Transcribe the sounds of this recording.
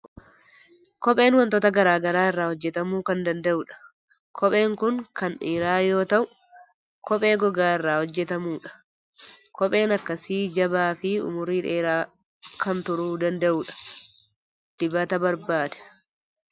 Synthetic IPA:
kɔpʼe̞ːnwɐnt̪ɔːt̪ɐɡɐɾaːɡɐɾaːɪrːaːhɔd͡ʒːɛt̪ɐmuːkɐnd̪ɐnd̪ɐʔʊːᶑɐ̥ | kʰɔpʼe̞ːŋkʊŋkɐnᶑeːɾaːjo̞ːt̪ɐʔʊ | kɔpʼe̞ːɡɔɡaːɪrːaːhɔd͡ʒːɛt̪ɐmuːᶑɐ̥ | kɔpʼe̞ːnɐkːɐsiːd͡ʒɐbaːfɪʊ̰mʊɾiːᶑeːɾaː | kʰɐnt̪ʊɾuːd̪ɐnd̪ɐʔuːᶑɐ̥ | d̪̥ɪbɐt̪ɐbɐɾbaːd̪ɛ̥

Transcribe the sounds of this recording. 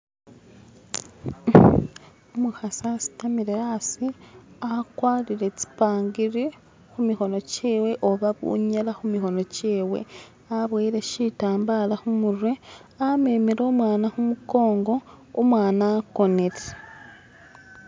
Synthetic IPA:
omuxasasi̥tamiɾejasiakwaːliɾe̞t͡si̥paːŋɡiɾi | xumixo̞no̞ceːwe̞ʔoβaβṵɲelaxumixo̞no̞ceːwe̞̰ | aβweːɾe̞ʃitaːmbalaxumuɾwe̞ | ame̞ːmeɾoːmwaːnaxumuko̞ːŋɡo̞ː | mwaːnaːko̞neɾe

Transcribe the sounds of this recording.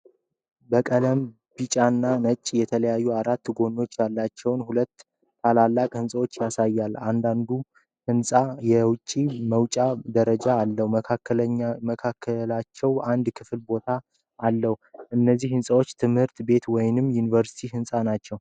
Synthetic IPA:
bəkʼələm | b̥it͡ʃʼanːanət͡ʃʼjɛt̪ʰələjajːuaɾat̪ːɡo̞no̞t͡ʃːjalːat͡ʃːɛwnhulət̪ːʰ | alalːakʼhɨnsʼəwo̞t͡ʃːjasajːalːand̪and̪u | hɨnsʼajɛwʊt͡ʃʼːiməwt͡ʃʼad̪əɾəd͡ʒaːlːəhuakːəməkʰakʰːəlat͡ʃːɛwand̪kʰɨflbo̞t̪ʰa | ʔalːəhuʔɨnːəzːihhɨnsʼəwot͡ʃːt̪ʰɨmhɨɾt̪be̞t̪wɔjnɨmːjunivəɾsi̥t̪ʰiɦɨnsʼanat͡ʃːɛw

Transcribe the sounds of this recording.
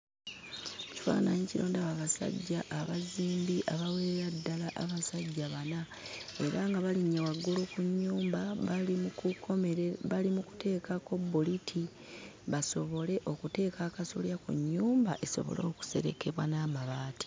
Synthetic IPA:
ci̥fa̰ːnaɲiciɾoːndaβaβasa̰ɟːaʔːβaziːmbiʔaβaweɾeɾadːalaʔaβasaɟːaβana | e̞ɾaŋɡaβaliɲːawaɡulukuɲːuːmbaalimukukʰo̞meβalimuku̥te̞ːkako̞bːolitʰi | βaso̞βo̞le̞ʔo̞kute̞ːkakasoljakṵɲːuːmbaʔeso̞̰βo̞̰lo̞ːku̥se̞ɾe̞ke̞βwanaːmaβaːti̥

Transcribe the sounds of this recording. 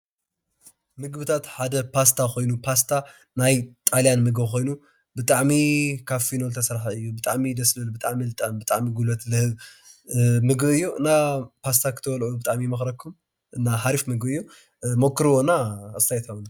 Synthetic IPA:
mɨɡbɨt̪ʰat̪ħad̪ɐpʰast̪ʰako̞jnupʰast̪ʰa | najt̪ʼaljanmɨɡbko̞jnu | bɨt̪ʼaʕmikʰaβfinolt̪ʰɐsɾħaɨjːubɨt̪ʼaʕmid̪ɐslɐlubɨt̪ʼaʕmilɨt̪ʼambɨt̪ʼaʕmiɡulot̪lɨhɨβ | mɨɡbɨjːuʔɨ̰nːapʰast̪ʰakʰɨt̪ʰɐwɐlʕubɨt̪ʼaʕmimɐxɾɐkʰːum | ʔɨnːaɦaɾifmɨɡbɨjːu | mokʰːɨɾwonaɨst̪ʰajt̪ʰɐwn

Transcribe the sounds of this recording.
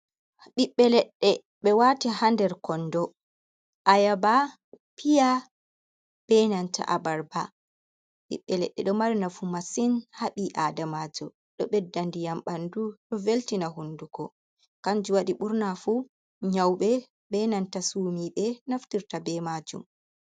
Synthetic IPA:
ɓiɓːɛlɛɗːɛ | ɓɛwatihandɛɾkɔndɔ | ʔajaba | pija | b̥ɛnanta̰ʔabaɾba | ɓḭɓːɛlɛ̰ɗːɛ̰ɗɔmaɾinafumasinhaɓiʔaːdamad͡ʒɔ | ɗɔ̰ɓɛdːandijamɓanduɗɔveltinaɦunduɡɔ | kaɲd͡ʒuwaɗiɓuɾnafu | ɲawɓɛ | bɛnantasuːmiɓɛnaftiɾtabɛmad͡ʒṵm

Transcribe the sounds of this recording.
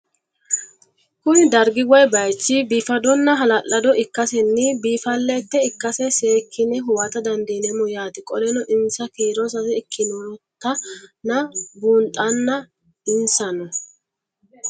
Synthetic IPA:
kʊnɪd̪ɐɾɡɪɡɔjbɐjt͡ʃːibiːfɐd̪ɔnːɐɦɐlɐlːɐd̪ɔʔɪkːɐsɛnːɪbiːfɐlːɛt̪ːɛɪkːɐsɛseːkʰːɪnɛɦʊwat̪ɐd̪ɐnd̪iːnɛmʊjaːt̪ɪkʼɔlɛnɔʔɪnsɐkiːɾɔs̬ɐsɛɪkʰːɪnɔt̪ːɐnɐbuːnt̪ʼːɐnːɐ | ɪnsɐnɔ

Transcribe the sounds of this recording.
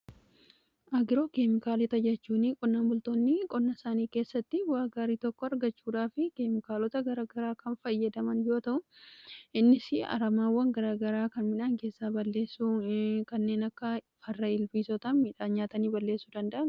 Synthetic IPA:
ʔɐɡɪɾo̞ːkeːmɪkaːlɪt̪ɐd͡ʒɛt͡ʃːuːnikʼɔnːaːnbʊlt̪oːnːɪkʼɔnːɐsaːniːke̞ːsːɐt̪ːɪwaːɡaːɾiːt̪ɔkːɔɐɾɡɐt͡ʃːuːᶑaːfɪkeːmɪkaːlɔt̪ɐɡɐɾaɡɐɾaːkɐnfɐjːɐd̪ɐmɐnjo̞ːt̪ɐʔʊʔɪnːɪsɪɐ̰ɾɐmaːwːɐŋɡɐɾaːɡɐɾaːkɐnmɪnaːŋke̞ːsːaːbɐlːe̞ːsːukɐnːe̞ːnɐkːɐ | fɐrːɐɪlbiːsɔt̪ɐmiːᶑaːɲaːt̪ɐniːbɐlːe̞ːsːud̪ɐnd̪ɐʔɐn

